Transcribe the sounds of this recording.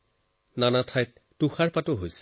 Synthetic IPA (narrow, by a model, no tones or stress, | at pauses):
nanatʰajt̚ːuxaɹpatʊɦojs